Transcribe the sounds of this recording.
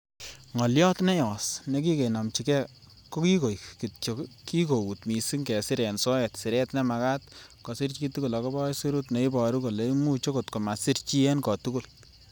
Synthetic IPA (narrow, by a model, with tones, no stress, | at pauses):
ŋɔ˨ljɔ˦tnɛ˦jɔ˨sne˨k̬i˦ke˨na˨mt͡ʃi˨kɛ˦ | ko˦ki˦ko˨jki˨to˨ki˦ko˨u˨tmi˨si˦ŋkɛ˨sɪ˦ɾɛ˨nsɔ˦ɛ˨tsɪ˨ɾɛ˦tnɛ˦ma˨ka˦tkɔ˨si˦ɾt͡ʃi˦tu˦ku˨lɔ˨kɔ˦bɔ˦jsi˦ɾu˦tne˨i˦bɔ˨ɾu˦ko˨le˨i˦mu˦t͡ʃo˦ko˨tko˨ma˨si˦ɾt͡ʃi˦ɛ˦nkɔ˨tu˦ku˨l